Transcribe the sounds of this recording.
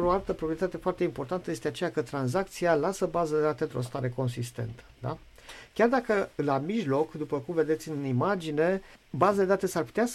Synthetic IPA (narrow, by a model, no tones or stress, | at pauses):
oalt̪əpɾopɾiet̪at̪e̞foart̪eimpo̞rt̪ant̪əje̞st̪e̞at͡ʃe̞jakət̪ɾanzak̚t̪sijalasəbazəd̪ed̪at̪e̞nt̪ɾo̞st̪aɾe̞ko̞nsist̪e̞̰nt̪ə̥d̪a̰ | kʲard̪akəlamiʒlo̞kd̪upəkumve̞d̪e̞t̪sʲɨnimad͡ʒine̞bazad̪e̞d̪at̪e̞sarpu̥t̪ea